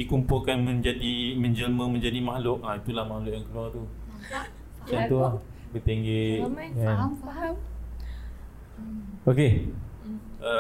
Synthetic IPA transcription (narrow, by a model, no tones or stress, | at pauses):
dikumpʊlkanmə̃ɲd͡ʒadimə̃ɲd͡ʒəlmə̃mə̃ɲd͡ʒadimahlʊʔait̪ulahmahlʊʔjaŋkəluart̪u | t͡ʃɔnt̪ua | bət̪ɛŋɡeʔan | oke | ə